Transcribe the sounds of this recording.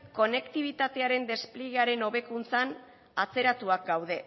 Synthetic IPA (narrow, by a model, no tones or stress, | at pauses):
ko̞ne̞kt̪iβ̞it̪at̪e̞aɾe̞nd̪e̞spliɣeaɾe̞no̞βe̞kunt͡san | at͡se̞ɾat̪uak̚ɡawðe̞